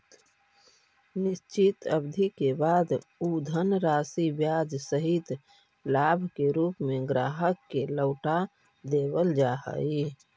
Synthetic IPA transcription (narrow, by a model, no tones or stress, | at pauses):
nɪst͡ʃit̪əbd̪ʱikebaːd̪ud̪ʱənɾaːsibjaːd͡ʒsəɦit̪ | laːbʱkeɾuːpmẽɡɾaːɦəkːeləʊʈa | d̪eːbəld͡ʒaːɦə̰i